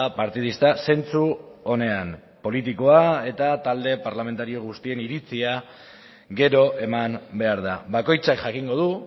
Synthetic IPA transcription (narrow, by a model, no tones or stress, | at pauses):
paɾt̪ið̞ist̪ase̞nt͡suo̞ne̞am | po̞lit̪iko̞ae̞t̪at̪ald̪e̞paɾlame̞nt̪aɾio̞ɣ̞ust̪ie̞niɾit͡sia | ɡe̞ɾo̞ʔe̞mambe̞aɾðaβako̞jt͡sakʝakiŋɡo̞ð̞u